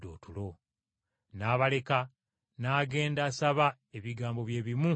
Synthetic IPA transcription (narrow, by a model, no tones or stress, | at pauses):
do̰ːtulo̞ | naːβale̞ka | naːɡe̞ːndaːsaβa | eβiɡaːmbo̞βje̞ːβimu